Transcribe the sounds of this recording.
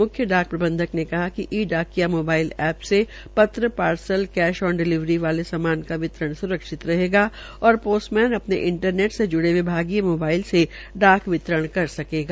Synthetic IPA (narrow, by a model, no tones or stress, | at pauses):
mʊkʰjəɖaːk̚pɾɐbə̃nd̪ʱəknekɐɦakiʔiːɖaːkijamoːbaːɪlɛːpse | pɐt̪ɾəpaːɾsəlkɛːʃɔːɾɖɪlɪʋɾiʋaːlesɐmaːnkaʋɪt̪ɾəɽ̃sʊɾəkʃɪt̪ɾɐɦeːɡaː | ɔːɾpoːsʈmɛːnɐpneʔɪ̃ɳʈəɾneːʈsed͡ʒʊɽewebʱaːɡijamoːbaːɪlse | ɖaːkʋɪt̪ɾəɽ̃kɐɾsɐkeːɡaː